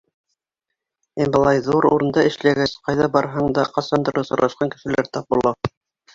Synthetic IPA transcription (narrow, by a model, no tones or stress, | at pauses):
imbɤ̆lˠɑjðuɾṵɾɤ̆nd̪ɑɘ̆ʃlæɡæsqɑjðɑbɑɾɦɑɴd̪ɑqɑsɑnd̪ɤ̆ɾɤsŏɾɑ̰ʃqɑŋkɘ̆ʃɘ̆læɾt̪ɑp̚bulˠɑ